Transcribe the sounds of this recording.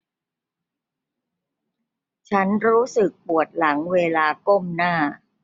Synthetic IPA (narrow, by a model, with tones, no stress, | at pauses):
t͡ɕʰa˦˥nɾuː˦˥sɯ˨˩k̚pu˨˩ət̪̚la˩˦ŋweː˧laː˧ko˥˩mnaː˥˩